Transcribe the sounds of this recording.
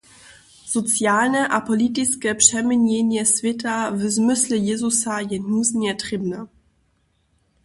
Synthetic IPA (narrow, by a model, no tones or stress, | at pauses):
sɔt͡sjaːlnɛʔapɔlit̪ɪt͡skɛːpʂɛmɪɲɛɲɛsvʲjɛtavɛzmɪslɪjɛzusajɛɦnuːzɲɛt̪rɪbna